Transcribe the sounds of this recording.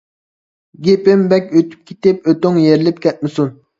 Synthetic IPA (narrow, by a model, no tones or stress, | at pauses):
ɡʲepɪmbɛkʲøt̪ʰy̥p̚kʲʰet̪ɪpøt̪yŋjeɾlɪp̚kʲʰɛt̪̚mɪsun